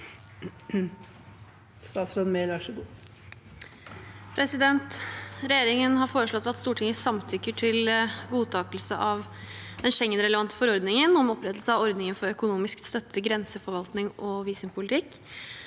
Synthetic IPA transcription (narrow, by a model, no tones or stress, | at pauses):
st̪ɑːt̪sɾonmeːlɑʂəbuː | pʰɾɛsɪd̪ɛnt̪ɾɛjeːɾɪŋənɦɑɾfoːɾəʂɭɔt̪ːɑt̪st̪uːʈʰɪŋəsɑmt̪ʰʏkːəʈʰɪlɡuːt̪ʰɑːkəlsəʔɑʋ | d̪̥ɛnʂɛŋːənɾɛləʋɑnt̪ə̥fɔɾɔɾd̪nɪŋənɔmɔpɾɛt̪ːəlsəɑʋɔɾd̪nɪŋənfɔɾœkʊnuːmɪskst̪œt̪ʰːəɡɾɛnsəfɔɾʋɑlt̪nɪŋʔɔʋiːsəmpʰʊlɪt̪ʰɪkː